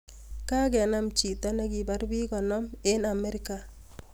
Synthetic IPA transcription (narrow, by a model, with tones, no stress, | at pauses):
ka˦ɡɛ˨na˦mt͡ʃi˨ta˦na˦ɡi˨ba˦ɾbi˦ɡɔ˨nɔ˦me˦na˨mɛ˦ɾi˦ka˨